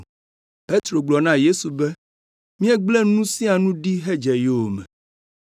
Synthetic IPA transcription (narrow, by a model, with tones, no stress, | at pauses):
pe˦t̪ɾo˨ɡ͡blɔ˨nã˦je˦su˨be˦ | mĩ˦ɛ˦ɡ͡ble˦nũ˦sĩ˦a˨nũ˦ɖi˦ɦe˦d͡ʒɛ˨je˦o˨mɛ̰̃˨